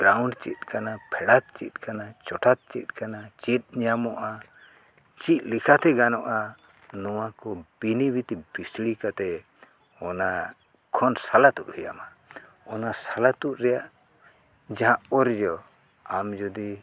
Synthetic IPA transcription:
bɾawɳɖt͡ʃḭt̪̚kanapʰɛɽat̪̚t͡ʃit̪̚ˀkanat͡ʃɔʈʰat̪̚t͡ʃit̪̚ˀkanat͡ʃit̪̚ɲamɔʔa | t͡ʃit̪̚likʰat̪ɛɡanɔʔa | nɔwakɔbinibit̪ibisɽikat̪ɛ | ɔna | kʰɔnsalat̪ut̪̚hujama | ɔnasalat̪ut̪̚ɾɛjaʔ | d͡ʒaɦãʔɔɾd͡ʒɔ | amd͡ʒɔd̪i

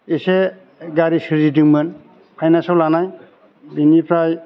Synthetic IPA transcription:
ise | ɡaɾisɯɾidiŋmɯn | pʰajnasɔlanaj | binipʰɾaj

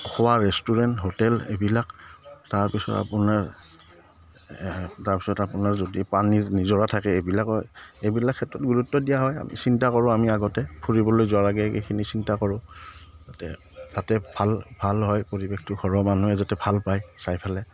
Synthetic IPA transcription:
ɔxɔwaɹɛstuɹɛntɦotɛlḛbilaktaɹpisɔ̰ta̰pʊnaɹ | taɹpisɔtapʊnaɹzodipaniɹnizɔɹatʰakɛebilakɔebilakʰːɛtɹɔt̚ɡuɹutːɔdijaɦɔja̰mḭsintakɔɹʊ̃amiaɡɔtɛpʰuɹibɔlojzʊwaɹaɡɛkḛkʰinisintakɔɹʊ̃tatɛ̰ | zatɛbʱalbʱalɦɔjpoɹibexʰtʊɡʰʱɔɹɔmanuɛzatɛbʱalpajsajpʰalɛ

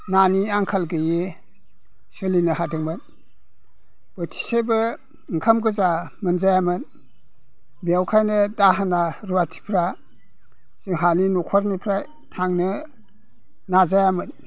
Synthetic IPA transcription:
naniaŋkʰalɡɯje | sɯlinɯhadɯŋmɯn | b̥ɯtʰi̥sejbɯ | ŋkʰamɡɯzamɯnzajamɯn | bijawkʰajnɯdaɦanaɾuwatʰi̥pʰɾa | zɯŋɦaninukʰɔɾmipʰɾa | tʰaŋnɯ | nazajamɯn

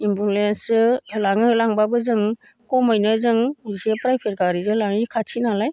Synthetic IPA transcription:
imbulensɯlaŋɯlaŋbabɯzɯŋ | kɔmajnɯzɯŋsepɾajpʰeɾkaɾizɯlaŋikʰatʰinalaj

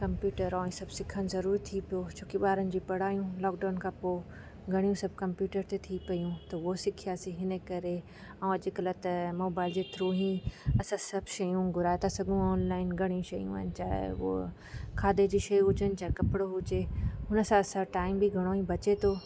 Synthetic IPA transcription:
kɐ̃mpjuːʈəɾɔːĩsɐbsɪkʰənɪ̆zɐɾuːɾit̪ʰipijot͡ɕʰoːkeɓaːɾənɪ̆d͡ʑiːpɐɽ̤aːjũlɔːk̚ɖaːnkʰãːpoː | ɡʱɐɽijũsɐb̚ʱkɐ̃mpjuːʈəɾt̪et̪ʰipɐjũt̪ɐʋosɪkʰijaːsiɦɪnəkɐɾe | ɛ̃ɐʄɪkɐlɐt̪ɐmoːbaːɪld͡ʑeːt̪ʰɾoːɦĩɐsãsɐbʱʃɐjũɡʱʊɾaːet̪ʰasɐɡũɔːnlaːɪnɡʱɐɽ̃ijũʃɐjũʋɐ̰ːɪnɪ̆t͡ɕa̰ːɦḛʋo̰ | kʰaːd̪ed͡ʑiːʃɐjɦʊd͡ʑənɪ̆t͡ɕaːɦekɐpɪɽoɦʊd͡ʑeɦʊnə̆sãɐsãʈaːɪmbiɡʱɐɽ̃oĩbɐt͡ɕet̪ʰoː

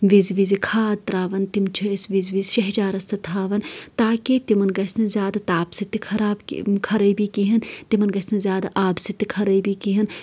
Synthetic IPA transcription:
ʋizʋizikʰaːd̪̚t̪ɾaːʋɐnt̪imt͡ʃʰɐsʋizʋiːzʃɐɦd͡ʒaːɾɐst̪ɐt̪ʰaːʋɐnt̪aːkit̪imɐnɡɐsʲnizʲjaːd̪t̪aːpsit̪ikʰɐɾaːb̰kʰɐɾɐjbikiɦɐnt̪imɐnɡɐsʲnizʲjaːd̪aʔaːbsit̪ikʰɐɾɐbikiɦɐn

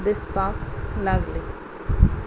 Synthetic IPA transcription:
d̪ɪspaːklaɡli

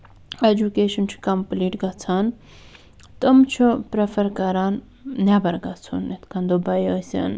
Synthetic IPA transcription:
ed͡ʒukeːʃɐnt͡ʃʰu̥kɐmpliːʈɡɐt͡sʰaːn | t̪əmt͡ʃʰupɾefɐɾkɐɾaːn | nabɐɾɡɐt͡sʰṵnet̪kʰand̪ubɐjəːsʲɐ̰n

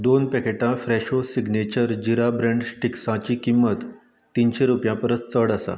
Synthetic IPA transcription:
d̪onpɛkeʈãfɾɛɕosiɡnet͡ɕəɾd͡ʑiɾabɾẽɳɖsʈiksãt͡ɕikimːət̪ː | inɕeɾupjãpəɾət͡st͡səɽəsa̰

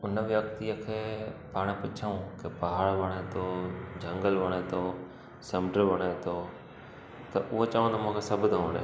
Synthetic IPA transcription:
ʊnəʋjɐk̚t̪ijəkʰeːpaːɽ̃pʊt͡ʃʰəũkepɐɦaːɽʋɐɽ̃et̪ʰod͡ʑʱɐ̃ŋɡəlʋɐɽ̃et̪ʰoː | sɐmɖəʋɐɽ̃et̪ʰoː | t̪ɐʔʊɦot͡ɕɐːʋ̃t̪ɐmʊ̃ɦkʰesɐbd̪õnḛ

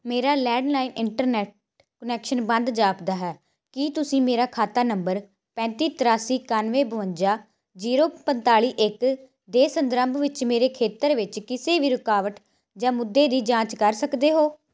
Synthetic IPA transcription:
meːɾaːlɛːɖlaːiːnɪɳʈəɾnɛːʈ̚ | kənɛːkʃənbənd̪d͡ʒaːpd̪aːɦɛː | kiːt̪ʊsĩːmeːɾaːkʰaːt̪aːnəmbəɾ | pɛ̃ːnt̪iːt̪əɾaːsiːkaːnʋeːbəʋəɲd͡ʒaː | d͡ʒiːɾoːpənt̪aːɭiːʔɪk | d̪eːsənd̪ɾəmbʱʋɪt͡ʃmeːɾeːkʰeːt̪əɾʋɪt͡ʃkɪseːʋiːɾʊkaːʋəʈ | d͡ʒãːmʊd̪ːeːd̪iːd͡ʒãːt͡ʃkəɾsəkd̪eːɦoː

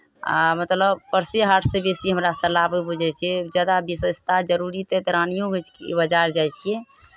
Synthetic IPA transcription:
a̰mət̪ləbpəɾseɦaʈʰsebesiɦəmɾasəlabebud͡ʒʱɛt͡ʃʰiɛd͡ʒad̪abisəst̪ʰad͡ʒəɾuɾit̪ɛt̪ɾanijõɡət͡ʃʰkebəd͡ʒaɾd͡ʒajt͡ʃʰijɛ

